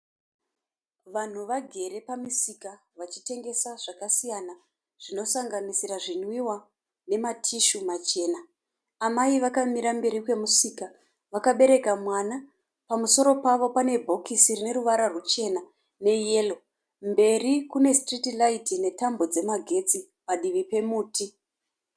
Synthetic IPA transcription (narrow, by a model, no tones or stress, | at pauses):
ʋan̤uʋaɡʱe̞ɾe̞pamisikaʋat͡ʃi̥te̞ŋɡe̞saʐ̥akasijana | ʐ̥ino̞saŋɡanisiɾaʐinwiwa | ne̞matʰiʃumat͡ʃe̞ːnaː | maiʋakamiɾambe̞ɾikwe̞musika | ʋakaɓe̞ɾe̞kamwana | pamuso̞ɾo̞paʋo̞pane̞bʱo̞kisirine̞ɾuʋaɾarut͡ʃe̞na | ne̞je̞lo̞ | mbe̞rikune̞stritilaitine̞tambo̞d͡ze̞maɡʱe̞t͡si | paɗiʋipe̞muːti